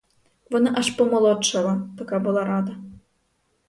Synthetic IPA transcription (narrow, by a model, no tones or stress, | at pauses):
vɔnɨʔaʂpɔmɔlˠɔtt͡ʂːɐvɐt̪akabɨlˠaɾad̪ɐ